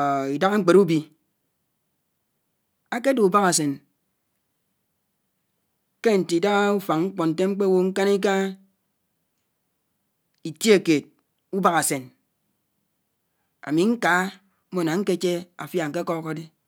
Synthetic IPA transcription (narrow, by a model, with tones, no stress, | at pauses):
i˨da˦ɣa˦ŋ͡m̩˦k͡pe˨ɾu˦bi˨ | a˦ke˦do˨u˨ba˦ɣa˨se˨n | ke˦n̩˨ti˨da˦ɣa˦u˦fa˨ŋŋ̩˦k͡pɔ˨n̩˨te˦ŋ͡m̩˦k͡pe˦wo˦ŋ̩˦ka˦ni˦k̬a˦ | i˨tje˨keː˨t̚ | u˦ba˦ɣa˨se˨n | a̰˨mi˨ŋ̩˦ka˨˦ | o˨na˨ŋ̩˦ke˦t͡ʃe˦a˨fja˨ŋ̩˨ke˦kɔ˦ka˦de˦